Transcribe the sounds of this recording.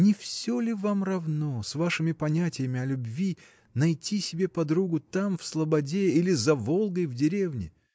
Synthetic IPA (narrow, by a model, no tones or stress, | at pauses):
nʲɪfsʲolʲɪvamrɐvnosvaʂɨmʲɪpɐnʲætʲɪjəmʲɪɐlʲʊbvʲi | nɐjtʲisʲɪbʲe̞pɐd̪ɾuɡʊt̪amfslˠəbɐdʲeilʲɪzɐvolˠɡəjvdʲɪɾʲe̞vnʲɪ̰